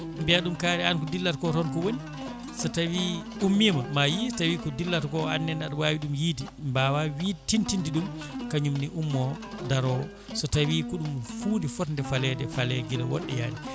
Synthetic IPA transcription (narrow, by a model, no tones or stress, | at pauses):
mbɛaɗumkaːɾɛankɔdilːatkɔtɔnkɔwoni | sɔtawi | umːimamajitawikɔdilːatkɔanːɛnaɗwaːwiɗumjiːdi | mbawawiːtintintiɗum | kaɲumniʔumːɔ | daɾɔ | sɔtawikuɗumfuːndifɔtndɛfalɛdɛfalɛɡilɛwɔ̰ɗːɛ̰ja̰ːdi